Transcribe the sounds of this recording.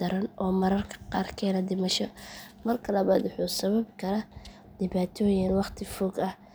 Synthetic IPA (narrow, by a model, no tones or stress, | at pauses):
d̪ɐɾɐnʔɔːmɐɾɐrkʰɐ̥qɑːrkʰɛːnɐd̪ɪmɐʃɔmɐrkʰɐlɐβaːd̪wʊħuːsɐβɐbkʰɐɾa | d̪̥ɪβaːt̪ʰɔːjɪnwɑqt̪ʰɪfɔːɡɐh